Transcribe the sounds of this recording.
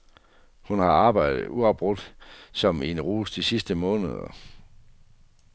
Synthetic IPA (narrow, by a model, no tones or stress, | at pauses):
hunhɑ̈ɑ̈ːb̥ɑ̈ɪd̥ð̩ˠuɒb̥ʁɔ̽d̥sɒ̽menʁuːsd̥isisd̥əmɔ̽ːnəð̞ˠɐ̰